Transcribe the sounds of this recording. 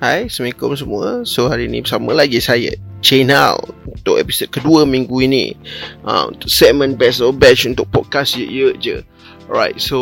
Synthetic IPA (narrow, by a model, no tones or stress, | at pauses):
hajsəmikoms̬əmũəsohaɾiːnḭbəsamə̃laɡisajə̰t͡ʃena̰lunt̪ʊkɛ̰pi̥sod̚kəduəmĩŋɡuinḭʔã̰mṵnt̪ʊksɛt̚mə̃nbɛsɔbɛt͡ʃunt̪ʊk̚pɔd̚kasjəʔjəd͡ʒə̰ | ɹajt̚so